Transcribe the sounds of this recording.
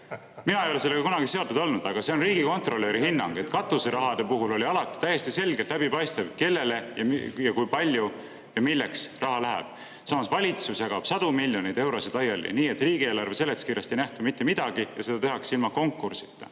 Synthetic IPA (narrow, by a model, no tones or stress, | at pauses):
minɑejo̞le̞selːeɡɑkunɑɡ̥ise̞ot̪ud̪o̞lnud̪̥ɑɡ̥ɑse̞onriːɡ̥iko̞nt̪ˑro̞lːeɾihinːɑ̰ŋɡ̥e̞t̪ːˑkɑt̪ːˑuseɾɑɦɑd̪̥e̞puɦulo̞lʲiɑlɑt̪ːˑi̥t̪æjːe̞st̪ise̞lɡe̞lt̪læbipɑjst̪evke̞lːe̞le̞jɑmjɑkujpɑlʲju | jɑmilːe̞ksrɑɦɑlæɦæ̰b̥ | sɑmɑsvɑlʲit̪susjɑɡ̥ɑb̥sɑd̪̥umilʲjo̞nijd̪̥e̞wɾo̞sid̪ɑjɑlːḭniːet̪ˑriːɡ̥ieːlɑrve̞se̞lːekskiːɾjɑst̪ejnæht̪umit̪ːe̞mid̪̥ɑɡ̥ijɑ̰se̞d̪ɑt̪e̞ɦɑksilmɑko̞ŋkːursi̥t̪ːˑɑ